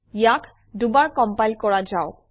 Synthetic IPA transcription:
jakʰ | dubaɹkɔmpajlkɔɹad͡ʒao

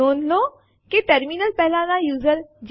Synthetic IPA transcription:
oːnloː | keʈəɾminəlpɛːɦlãːnãːjuːzəld͡ʒ

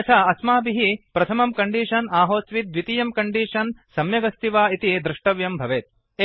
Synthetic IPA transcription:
ɐt͡ʃ̪ʰaɐsmaːbiɦipɾɐt̪ʰɐmɐmkɐɳɖiːʂɐnaːɦoːsʋit̪̚ʋit̪ijɐmkɐɳɖiːʂɐnsɐmjɐɡɐst̪iʋaːit̪id̪ɾuʂʈɐʋjɐmbʱɐʋeːt̪̚ | e

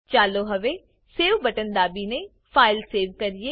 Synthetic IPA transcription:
t͡ʃaːloːɦəʋeː | seːʋbəʈənd̪aːbiːneː | pʰaːɪlseːʋkəɾie

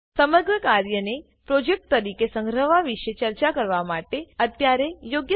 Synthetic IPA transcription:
səməɾɡɾəkaɾjəne | pɾod͡ʒek̚ʈ̚t̪əɾikesə̃ŋɡɾəʋaʋiʃet͡ʃəɾt͡ʃakəɾʋamaʈeət̪jaɾejoɡjə

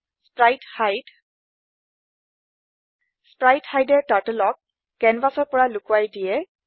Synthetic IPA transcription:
spɹajdhajd | spɹajtxajdɛtatəlɔkː | ɛnbasɔɹpɔɹalʊkuwajdijɛ

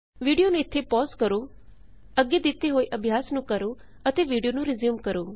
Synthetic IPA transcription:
ʋiːɖijoneɪt̪ʰːepɔːskəɾo | əɡjed̪ɪt̪ːeɦoːiʔəbʱjaːsnũkəɾo | ət̪eʋiːɖijonũɾɪzjuːmkəɾoː

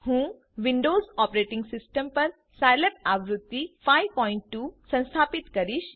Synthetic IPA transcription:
hũː | ʋiɳɖoːzɔpɾeʈĩŋɡsisʈəmpəɾ | sajlep̚aʋɾut̪ːifajpɔiɳʈːuːsə̃w̃st̪ʰapit̪kəɾiːʃ

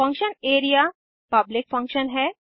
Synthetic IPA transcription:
fɐ̃ŋkʃəneːɾija | pɐblɪk̚fɐ̃ŋkʃənɦɛː

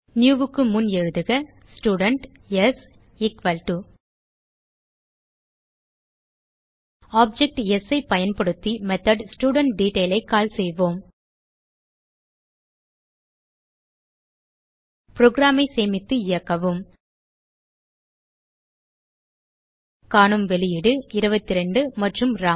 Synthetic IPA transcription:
njuːʋɯkːɯmʊnɛɻɯðɯɣɐ | sʈjuːɽɐɳʈ | ɛs | ɪkʋɐlʈu | aːp̚d͡ʒɛk̚ʈɛsɐɪpɐjɐnpɐɽɯt̪ːimɛt̪ɐɖsʈjuːɽɐɳʈ̚ɖiːʈeːlɐɪkːaːlsɛjʋoːm | pɪɾoːɡɾaːmɐɪseːmɪt̪ːɯɪjɐkːɐʋɯm | kaːnɯmʋɛlɪjɪɽɯɪɾɯbɐt̪ːɪɾɛɳɖɯmɐʈrɯmɾaː

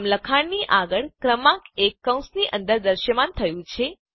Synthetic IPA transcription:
mləkʰaɳniʔaɡəɭkɾəmãkekːə̃w̃sniʔə̃nd̪əɾd̪əɾʃəmant̪ʰəjũt͡ʃʰe

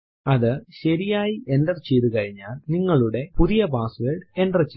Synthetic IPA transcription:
ɐðɨɕɐɾijaːjie̞ndɐrt͡ɕːejt̪ɨkɐɻiɲːaːlniŋːɐɭuɽe̞puðijɐpaːsʋeːɖe̞nɖrɐt͡ɕː

